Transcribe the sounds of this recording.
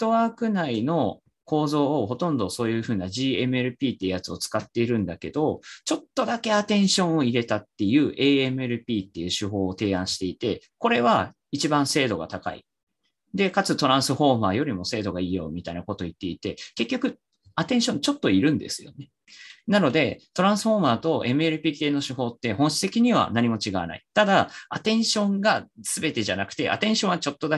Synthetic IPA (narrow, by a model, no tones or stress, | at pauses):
t̪o̞βaːkɯ̟naino̞ | ko̞ːzo̞ːho̞t̪õ̞nd̪o̞so̞ːjɯ̟ːɸɯ̟ːnaʑiːe̞mɯ̟eɾɯ̟pʲiːt̪ːejɯ̟jat͡sɨo̞t͡sɨ̥kat̪ːe̞iɾɯ̟̃nd̪ake̞d̪o̞t͡ɕo̞t̪ːo̞d̪ake̞at̪ẽ̞ɰ̃ɕõ̞ɰ̃oiɾe̞t̪at̪ːe̞jɯ̟ːʔe̞ːemɯeɾɯ̟pʲiːt̪ːe̞jɯ̟ːɕɨɦo̞ːt̪e̞ːãɰ̃ɕi̥t̪e̞it̪e̞ | ko̞ɾe̞β̞a | it͡ɕibãɰ̃se̞ːd̪o̞ɡa̰t̪aka̰ḭ | d̪e̞kat͡sɨt̪o̞ɾãɰ̃sɨɸo̞ːmaːjo̞ɾʲimo̞se̞ːd̪o̞ɡaiːjo̞̰mʲit̪ainako̞t̪o̞it̪ːe̞it̪e̞ke̞kʲːo̞kɯ̟ | at̪ẽ̞ɰ̃ɕõ̞ɲt͡ɕo̞t̪ːo̞iɾɯ̟̃nd̪e̞̰sɨjo̞̰ne | nano̞d̪e̞t̪o̞ɾãɰ̃sɨ̥ho̞ːmaːt̪o̞ʔe̞mɯ̟eɾɯ̟pʲiːk̪e̞ːno̞ɕɨɦo̞ːt̪ːe̞hõ̞ɰ̃ɕi̥t̪e̞kʲiɲ̟iβ̞a̰naɲ̟imo̞t͡ɕiɡaβa̰na̰it̪ad̪aat̪ẽ̞ɰ̃ɕõ̞ŋɡasɨbe̞t̪e̞ʑanakɯ̟̥t̪e̞̰ʔa̰t̪ẽ̞ɰ̃ɕõ̞ɰ̃βat͡ɕo̞t̪ːo̞d̪a